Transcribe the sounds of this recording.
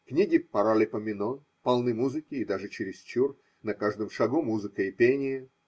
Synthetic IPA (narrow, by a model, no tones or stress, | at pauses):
knʲiɡʲɪpɐɾalʲɪpəmʲɪno | pɐlˠnɨmuzɨkʲɪːd̪aʐɨt͡ɕɪɾʲɪst͡ɕur | nɐkaʐd̪ɨmʂɐɡumuzɨkəɪpʲenʲɪjə